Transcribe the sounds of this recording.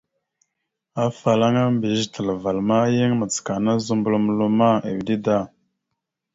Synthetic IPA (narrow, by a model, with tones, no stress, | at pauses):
a˦fa˨la˦ŋa˦mbi˨ztə˨lə˨va˨lma˦jə˦ŋmə˨t͡ska˨na˦zu˦mbu˨˦lm˨˦lu˦ma˦ḛ˨wdi˦da˦˨